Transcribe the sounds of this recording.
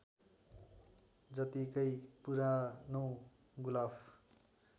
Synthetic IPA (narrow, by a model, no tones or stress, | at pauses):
d͡zʌt̪ikʌjpuɾanow | ɡulabʰ